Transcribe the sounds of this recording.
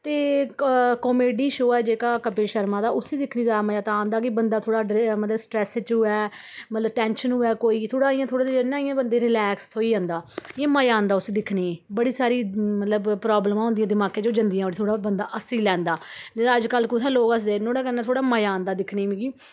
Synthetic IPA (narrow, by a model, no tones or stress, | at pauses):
t̪eː | kɔːmeːɖiːʃoːɛːd͡ʒeːkaːkəpeːʃəɾmãːd̪aːʔʊsiːd̪ɪkʰniːzaːd̪aːməjaːt̪ãːnd̪aːk̬ɪbənd̪aːt̪ʰoːɽaːɖmət̪ləbsʈɾɛːst͡ʃɦʊɛː | mət̪ləbʈɛ̃ːnʃənɦʊːɛːkoːiːt̪ʰoːɽaːɪjãːt̪ʰoːɽaːt̪ed͡ʒɪnãːɪjãːbənd̪eːɾɪlɛːkst̪ʰoːiːə̃nd̪aːɪjãːməjaːnd̪aːʊsiːd̪ɪkʰniːẽːbəɽiːsaːɾiːmət̪ləbpɾɔːbləmãːɦʊ̃nd̪ɪjãːd̪ɪmãːkẽːd͡ʒoːd͡ʒənd̪ijãːoːniːt̪ʰoːɽaːbənd̪aːʔəsiːlɛ̃ːnd̪aːd͡ʒəd͡ʒkəlːkut̪ʰãloːɡəsd̪eːnoːɽaːkənɛːt̪ʰoːɽaːməjãːnd̪aːd̪ɪkʰniːmĩːɡiː